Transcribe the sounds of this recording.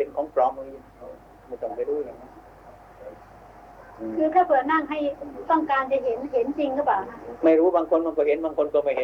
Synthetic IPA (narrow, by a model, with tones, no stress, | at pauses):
e˧nkʰɔː˩˦ŋpʰɾɔː˧˥˩m˧ŋi˧˩˧kʰa˧˩ | ma˧˩t̪ɔ˥˩ŋpa˧˩ɾuː˦˥˩jaː˨˩ŋa˦˥˧ | kʰɯː˧k̪ʰaː˥˩pʰɯ˨˩ət̚na˥˩ŋɦa˥˩jt̪ɔ˥˩ŋkaː˧nt͡ɕa˧˩ɦe˩˦nhe˩˦nt͡ɕi˧ŋkʰa˥˩paː˨˩wna˦˥ʔma˥˩jɾuː˦˥baː˧ŋkʰo˧nma˧˩kɔː˧˩he˨˦nbaː˧ŋkʰo˧nkɔː˧˩ma˥˩jhe˨˦